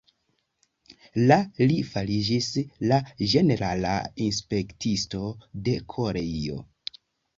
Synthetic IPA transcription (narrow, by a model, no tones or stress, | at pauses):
lalifalid͡ʒislad͡ʒe̞ne̞ɾala̰inspe̞ktʰisto̞de̞kʰo̞ɾe̞io̞̰